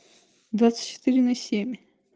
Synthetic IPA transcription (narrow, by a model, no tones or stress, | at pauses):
d̪vat̪sɨ̥tʲt͡ʃːɪ̥t̪ɨɾʲɪnɐsʲemʲ